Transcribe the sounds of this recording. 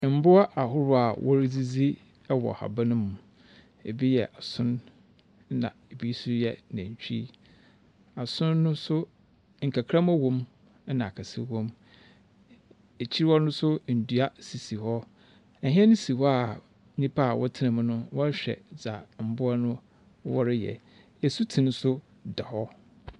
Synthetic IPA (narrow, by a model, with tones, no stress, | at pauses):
m̩˦bʊ˦a˦ʔa˨hʊ˦ɾʊ˦a˨wʔɔ˦ɾd͡zi˦d͡zi˦ | ɛ˦wɔ̰˨ha̰˨ba˦nʊ̃˦m˨ | e˨bi˦jɛ˨ʔa˨sʊ̃˦n˦ | nã̰˨e˨bi˦sʊ˦jɛ˦nã˨ɲ˨t͡ɕᶣḭ˦ | a˨sʊ̃˦nːʊ̃˦sʊ˦ | ŋ̩˨kʰa˨kʰɾã˦mæ˦wõ˦m˦ | nã˨a˨kʰa˨sɪ̰˦wõ˦m | e˨t͡ɕʰi˦ɾɪ˦ɔ˦nʊ̃˦sʊ˦n̩˨du˨a˦si˨si˨hɔ˦ | ɛ˨ɦi˦ɛ˦nʊ̃˦si˨hɔ˦a˨˦ | ɲĩ˦pʰa˦a˨wɔ˦tʰɪ˦nã˨m̃˦nʊ̃˦wɔ˦ɕᶣɛ̰˨d͡za˨m̩˨bʊ˦a˦nʊ̃˦ | wɔ˦ɾɪ˦jɛ̰˨ | ɛ˨su˦tʰĩ˨n˦sʊ˦ | da˨hɔ˦